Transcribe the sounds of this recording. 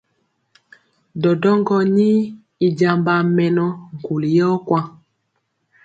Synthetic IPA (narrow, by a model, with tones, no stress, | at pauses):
dɔ˨dɔ˦ŋɡɔ˦ni˦ | i˨d͡ʒa˨mba˨mɛ˨nɔ˦ŋ̩˨ku˨li˨jɔ˦kwa˦